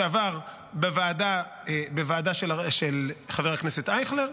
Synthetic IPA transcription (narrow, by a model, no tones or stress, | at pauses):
avaʁ | bevaːda | bevaːdaʃeʃelχaveʁakneset̪ajχleʁ